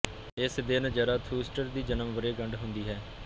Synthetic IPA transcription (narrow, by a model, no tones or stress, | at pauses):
ɪsd̪ɪnd͡ʒəɾaːt̪ʰuːsʈəɾd̪iːd͡ʒənəmʋəɾeːɡəɳɖɦʊnd̪iːɦɛː